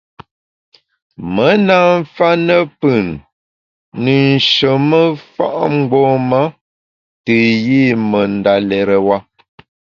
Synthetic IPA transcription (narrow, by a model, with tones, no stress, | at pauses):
mə˦na˦ɱ˦fa˦nə˦pɨ˨nː | ə˨n̩˨ʃə˨mə˦fa̰˦ʔŋ͡m̩˦ɡ͡bɔ˦ma˦ | tɨ˨ji˦˨mə˨n˨da˨lɛ˨ɾə˨wa˦